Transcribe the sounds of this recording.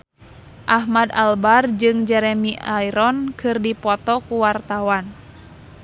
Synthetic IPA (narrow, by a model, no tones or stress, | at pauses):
ʔahmad̪albard͡ʒɨŋd͡ʒɛɾɛmiaiɾɔnkɨrdipɔt̪ɔkuwart̪awan